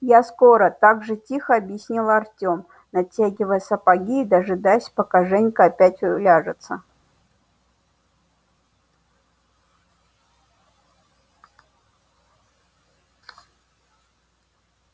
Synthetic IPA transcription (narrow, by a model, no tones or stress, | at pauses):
jaskoɾət̪aɡʐɨtʲixəɐbʲjɪsʲnʲilˠɐrtʲom | nɐtʲːaɡʲɪvəjəsɐpaɡʲiːd̪aɐʐɨd̪ajsʲpɐkaʐɛnʲkəːpʲætʲʊlʲaʐɨt̪sə